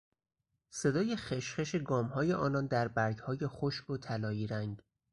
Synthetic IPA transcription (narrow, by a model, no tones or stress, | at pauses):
se̞d̪ɒːje̞xeʃχe̞ʃeɡɒːmhɒːje̞ʔɒːnɒnd̪æɾbæɾɡhɒːje̞xoʃbot̪ʰælɒːiːɾæŋɟ